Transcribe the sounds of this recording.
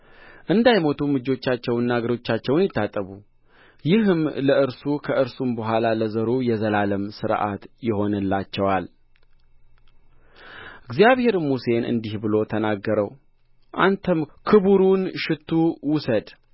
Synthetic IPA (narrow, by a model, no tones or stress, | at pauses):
ʔɨnd̪ajmo̞t̪ʰumɨd͡ʒo̞t͡ʃːat͡ʃːɛwnːaɡəɾo̞t͡ʃːat͡ʃːɛwnjɪt̪ʰːat̪ʼːəβu | jɪɦɨmləɨɾsukʰəʔɨɾsumbəɦʷalaləzəɾujɛzəlaləmsɨɾʔa̰t̪jɪho̞nɨlːat͡ʃːɛwal | ɨɡzijaβhe̞ɾmuse̞nʔɨ̰nd̪ihbɨlo̞t̪ʰənaɡːəɾəw | ʔa̰nt̪ʰəmkʰɨβuɾunʃɪt̪ʰːuwʊsəd̪